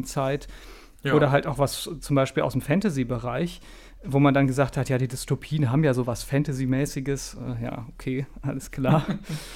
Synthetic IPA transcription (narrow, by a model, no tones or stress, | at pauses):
t͡saɪt | ʔoːɾɐɦaltaʊxv̥ast͡sʊmbaɪʃpiːlʔaʊsdmfɛntazibəʁaɪç | voːmandanɡəzaːχthatjaːdiːdʏstopʰiːənɦaːbm̩jaːzoːvasfɛntazimɛːsɪɡəsʔɛ̰ːja̰ːʔokʰeːʔaləskl̥aːɐ